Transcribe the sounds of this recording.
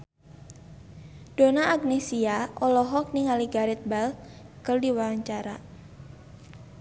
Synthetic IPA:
d̥onaːɡnesiaʔɔlɔɦɔk̚nɪŋaliɡaɾɛt̪̚bal | kəldiwaɲt͡ʃaɾa

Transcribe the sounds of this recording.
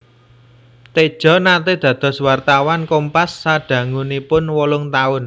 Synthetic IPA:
t̪ed̥ʒ̥ɔ̤nat̪ed̪̥ä̤d̪̥ɔ̤swart̪awankompasːaɖ̥ä̤ŋunipʊnwolʊŋt̪aʊn

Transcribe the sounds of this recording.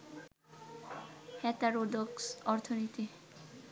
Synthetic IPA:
hɛt̪aɾod̪oksɔɾt̪ʰonit̪i

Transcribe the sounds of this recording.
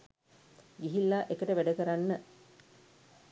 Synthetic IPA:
ɡiɦilːaʔekəʈəʋæɖəkəɾanːə

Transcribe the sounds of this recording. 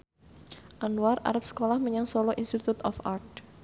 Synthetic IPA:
ʔanuwara̰ɾəp̚sə̥kolahməɲaŋsɔlɔʔinst̪it̪ut̪ɔ̰fart̪̚

